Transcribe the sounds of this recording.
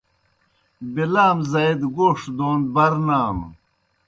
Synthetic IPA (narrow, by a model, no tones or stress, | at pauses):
bilaːmzɐjd̪ɡoːʂd̪oːnd̪̚bɐɾnaːm